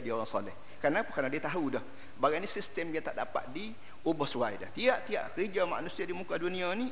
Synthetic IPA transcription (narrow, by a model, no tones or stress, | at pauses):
ʔdioɾaŋsɔ̰lɛh | kaɾənapakarnadiat̪aɦudɔh | baɡanisist̪əmjaŋt̪a̰ʔda̰pa̰t̪̚di | obəhsuwajda̰ht̪iaʔt̪iaʔkəɾid͡ʒama̰ʔnusiadimukaduniani